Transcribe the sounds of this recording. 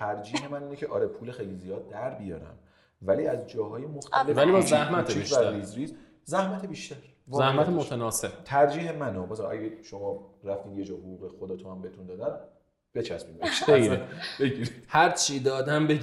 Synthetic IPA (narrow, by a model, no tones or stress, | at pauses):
t̪ʰæɾd͡ʒiːhemæniːnecʰeʔɒ̰ːɾe̞pʰuːlexejlizijɒːd̪̚ːæɾbijɒ̰ːɾæ̰m | væliːæzd͡ʒɒːɦɒːjemoxt̪ʰælevælibɒzæhmæt̪ʰeiiʃtææɾizɾiːz | zæhmæt̪ʰebiːʃt̪æɾ | vzæhmæt̪ʰemot̪ʰænɒːsebt̪ʰæɾd͡ʒiːɦemænobɒːsæʔæ̰ɟeʃomɒːɾæft̪iːnje̞d͡ʒɒːhoɣuːɣexod̪ɒːt̪ʰoæmbehet̪und̪ɒːd̪æn | b̥e̞t͡ʃʰæsmiːmbeʃejɾeb̥e̞ɡiɾid̪̥hæɾt͡ʃʰid̪ɒːd̪æmbe